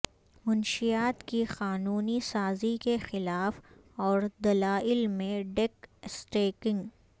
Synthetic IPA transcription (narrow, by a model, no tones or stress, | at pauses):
mʊnʃijaːt̪kixaːnuːnisaːzikexɪlaːf | ɔːɾd̪ɐlaːʔɪlmẽɖeksʈeːkɪ̃ŋɡ